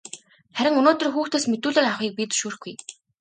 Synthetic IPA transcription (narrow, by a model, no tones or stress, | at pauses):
χæɾʲɪ̆ŋɵnoːt̪ɵ̆rxuːxt̪aːsmet̪uːɮɘːraχiːk̚pit͡sɵ̥ʃuːrxɡuj